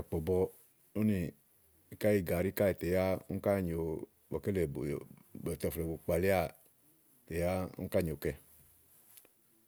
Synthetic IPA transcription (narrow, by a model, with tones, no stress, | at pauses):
a˨k͡pɔ˨bɔ˧ | o˦ni˨ | i˦ka˦i˦˨ɡa˨ɾi˦ka˦i˨tɛ˨ja˦u˦ka˦˨ɲo˨ | bɔ˨kɛ˦lɛ˨o˨bɔ˨t̪ɔ˧flɛ˨bo˨k͡pa˨le˦a˦˨ | tɛ˨ja˦ṵ˦ka˦˨ɲ˨o˨kɛ˧˨